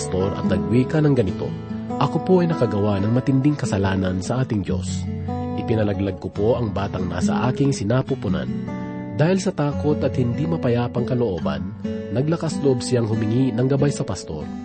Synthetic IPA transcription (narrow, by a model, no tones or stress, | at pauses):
st̪o̞ɾʔɐ̰t̪nɐɡ̚wiːkɐnɐŋɡɐnɪt̪o̞̰ | ʔɐkopo̞ʔɐjnɐkɐɡɐwanɐŋmɐt̪ɪnd̪ɪŋkɐsɐlaːnɐnsɐʔaːt̪ɪŋd̪jo̞̰sʔɪpɪnɐlɐɡlɐɡ̚kʊpo̞ʔɐŋbaːt̪ɐŋna̰ːsɐ̰ʔaːkɪŋsɪnaːpupʊna̰n | d̪aːhɪlsɐt̪aːko̞t̪ɐt̪̚hɪnd̪imɐpɐjaːpɐŋkɐloʔo̞ːbɐ̰nːɐɡlɐkasloʔobsɪjaŋhʊmɪŋinɐŋɡɐbajsɐpɐst̪o̞̰ɾ